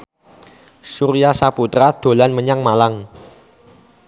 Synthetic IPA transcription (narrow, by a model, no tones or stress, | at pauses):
suɾijasaput̪ɾad̪̥o̤lanməɲaŋmalaŋ